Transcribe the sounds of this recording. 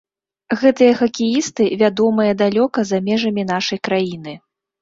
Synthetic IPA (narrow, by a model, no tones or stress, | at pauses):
ɣɛt̪ɨjɐxɐkʲijist̪ɨvʲad̪ɔmɨjɐd̪alʲɔkɐzamʲɛʐɐmʲinaʂɐjkɾajinɨ